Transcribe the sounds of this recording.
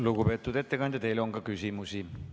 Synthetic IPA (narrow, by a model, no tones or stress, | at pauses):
lukupe̞ːt̪ːˑud̪̥e̞t̪ːekɑnd̪jɑt̪e̞jlo̞ŋkɑkysʲimusi